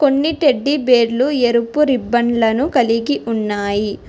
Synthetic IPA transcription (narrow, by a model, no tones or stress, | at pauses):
ko̞nːiʈeɖːibeːɾlueɾupːuɾibːɐɳlɐnukɐliɡiʔunːaːji